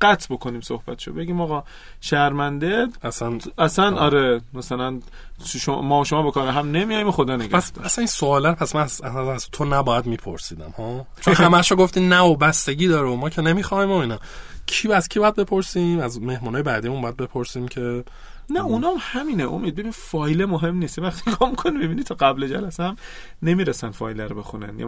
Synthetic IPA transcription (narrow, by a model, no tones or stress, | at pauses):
ɡ̥æt̪ʰbokʰoniːmso̰hb̥æt̪ʰe̥ʃo̰be̞ɡiːmɒɣɒ | ʃæɾmænd̪eæsænæsænʔɒɾemæsælæn | ʃomɒːʃomɒːbekʰɒːɾeɦæmnemijɒjmoxod̪ɒːneɡææsæsæniːnsoːlæɾpʰæsmænzsæzt̪ʰonæbɒːjæd̪miːpʰo̰ɾsiːd̪æmhɒːt͡ʃʰoohæmæʃoɡoft̪iːnæobæst̪e̞ɟiːd̪ɒːɾeomɒːcʰe̞nemiːxɒːimoinɒːcʰiːbæz̥cʰibɒːjæd̪̚be̞pʰo̞ɾsimæzme̞hmunɒːjebæːd̪ijmunbɒjæd̪be̞pʰoɾsiːmcʰe̞ | næunɒmhæmineʔomiːd̪̚bebinifɒːjlemoɦe̞mniːst̪jevæxt̪ʰi̥ɡʰɒːmikʰonibibinit̪ʰɒɡæbled͡ʒælæseæm | ne̞miːɾesænfɒ̰jlæɾobe̞xunæ̰nj̰